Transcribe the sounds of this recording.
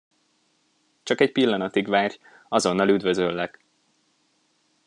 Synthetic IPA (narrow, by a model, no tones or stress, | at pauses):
t͡ʃɒkɛcpilːɒnɒt̪iɡʋaːr | ɒzo̞nːɒlyd̪vø̞zølːɛk